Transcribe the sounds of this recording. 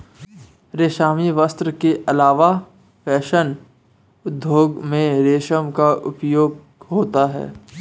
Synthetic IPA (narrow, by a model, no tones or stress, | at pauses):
ɾeːʃaːmiʋəst̪ɾəkeʔɐlaːʋa | fɛːʃən | ʊd̪ʱːjoːɡmẽɾeːʃəmkaʔʊpjoːɡ | ɦoːt̪aɦɛ̰ː